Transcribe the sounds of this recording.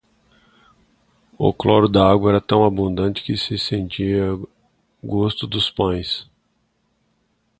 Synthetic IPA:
ʊ̰klɔɾʊd̪aaɡwɐɛɾɐt̪ɐ̃w̃abũnd̪ɐ̃nt͡ʃɪ̥kɪsɪsẽnt͡ʃiɐ | ɡost̪ʊd̪ʊspɐ̃j̃s

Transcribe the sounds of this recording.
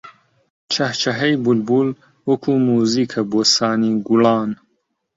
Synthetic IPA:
t͡ʃʰɐht͡ʃʰɐɦɐjbulbul | wɐkʰumuːziːkʰɐboːsaːniːɡulɑːn

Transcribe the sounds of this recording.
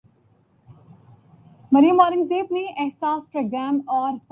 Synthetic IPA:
mɐɾijəmaːɾɪmzeːbneʔɛɦsaːspɾoːɡɾæːmɔːɾp

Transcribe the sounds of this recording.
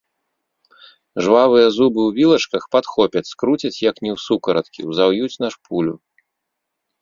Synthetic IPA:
ʐvavɨjɐzubɨwvʲilˠɐt͡ʂkɐxpat̪xɔpʲɐt͡sʲskɾut͡sʲɐt͡sʲjɐknʲɛwsukɐɾɐt̪kʲḭwzawjut͡sʲnɐʂpʰulʲu

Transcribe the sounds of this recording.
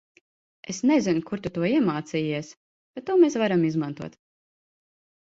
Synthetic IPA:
esnezinkuɾt̪ut̪uɔiɛmaːt̪siːiɛs | b̥et̪ːuɔmesvaɾamizmant̪uɔt̪

